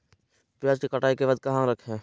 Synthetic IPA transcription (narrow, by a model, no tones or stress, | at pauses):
pjaːd͡ʒkikəʈaːikebaːd̪̚kɐɦãɾəkʰɦɛ̃ː